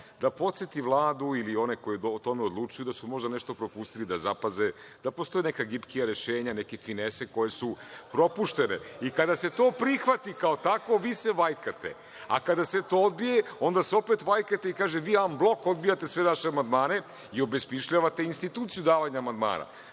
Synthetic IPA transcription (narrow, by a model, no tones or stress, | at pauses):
d̪apo̞t̪set̪iʋlˠaːd̪uilio̞neko̞jioot̪o̞meod̪lˠut͡ʃujud̪asumo̞ʒd̪aneʃt̪o̞pɾo̞pust̪ilid̪azapaze̞ | d̪̥apo̞st̪o̞jenekaɡipkijaɾeʃeːɲanekefinese̞ko̞je̞supɾo̞puʃt̪e̞ne̞̰ikad̪aset̪o̞ːpɾixʋat̪ikaot̪ako̞ʋiːse̞ʋajkat̪e̞̰ | a̰kad̪aset̪o̞ːod̪̚bije̞o̞nd̪aseo̞pet̪ʋajkat̪e̞ikaːʒeʋiːamblˠoko̞d̪̚bijat̪esʋeʋaʃeamand̪maːne̞ | io̞besmiʃʎaʋat̪e̞inst̪it̪uːt̪sijud̪aːʋaɲaːmand̪ma̰ːna̰